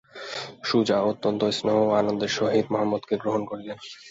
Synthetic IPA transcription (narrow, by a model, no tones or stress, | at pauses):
ʃud͡ʑaot̪ːont̪oesnoɦoanond̪eɾʃoɦid̪mɔɦamːod̪keɡɾoɦonkoɾilen